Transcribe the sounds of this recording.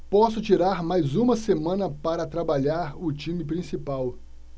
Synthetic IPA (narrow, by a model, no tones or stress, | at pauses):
pɔsʊt͡ʃiɾaɾmajzũmɐsemɐ̃nɐpaɾɐt̪ɾabaʎaɾʊt͡ʃĩmɪpɾĩsipaw